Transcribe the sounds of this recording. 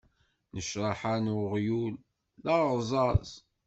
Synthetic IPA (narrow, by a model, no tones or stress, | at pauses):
nəʃɾˤɑħanʊʁjulː | ɑʁzˤɑz